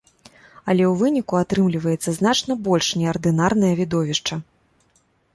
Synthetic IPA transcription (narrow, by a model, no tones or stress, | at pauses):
ɐlʲɛwvɨnʲikuat̪ɾɨmlʲivɐjɛt̪sːɐzn̪at͡ʂnɐbɔlʲʂnʲɛɐrd̪ɨnarn̪ɐjɐvʲid̪ɔvʲiʂt͡ʂɐ